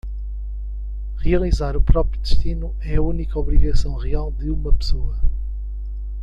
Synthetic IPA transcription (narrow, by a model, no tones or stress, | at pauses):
ʁiɐlˠizaɾupɾɔpɾjud̪ɨʃt̪inu | ɛɐunikɐɔβɾiɣɐsɐ̃w̃ʁialˠd̪ɨumɐpsoɐ